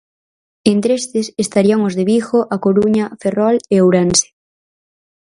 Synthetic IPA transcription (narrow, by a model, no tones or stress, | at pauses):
ent̪ɾest̪esest̪aɾiaŋozðeβixoʔakoɾuɲaferɔleowɾanse̥